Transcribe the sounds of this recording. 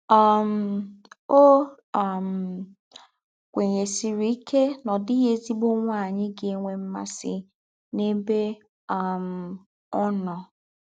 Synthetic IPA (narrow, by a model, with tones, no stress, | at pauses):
a˨m̩˦o˦ | a˨m̩˨ | kʷe˨ɲe˨si˨ɾi˨˦i˦ke˦nɔ˨dɪ˦ɦe˦zi˦ɡ͡bo˦ŋʷa˦˨ɲɪ˦ɡe˨e˦ŋʷe˨m̩˦ma̰˦sɪ̰˦ | ne˦be˦ | a˨m̩˨ | ɔ˦nɔ˨